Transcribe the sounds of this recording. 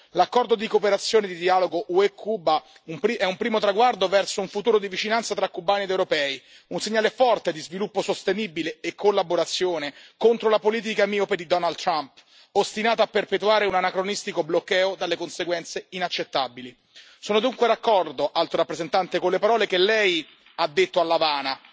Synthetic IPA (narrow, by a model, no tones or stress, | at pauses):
lakːɔrd̪od̪ikopeɾat̪sːjoːned̪id̪iaːloɡoʔuekʰːuba | umpɾiɛumpɾiːmot̪ɾaɡward̪ovɛrsouɱfut̪uːɾod̪ivit͡ʃinant̪sat̪ɾakːubaːnied̪ewɾopɛːi | unseɲːaːlefɔrt̪ed̪izvilupːosost̪enibileːkʰːolːaboɾat̪sːjoːnekont̪ɾolapoliːt̪̬ikamiːoped̪id̪ɔnald̪t̪ːɾamp | ost̪inaːt̪oapːerpet̪uaːɾeunanakɾonist̪ikoblokːɛːod̪alːekonseɡwɛnt̪seinat͡ʃːet̪ːabili | soːnod̪uŋkwed̪akːɔrd̪oʔalt̪oɾapːɾezent̪ant̪ekonlepaɾɔːlekelːɛj | ad̪ːet̪ːoalːavaːna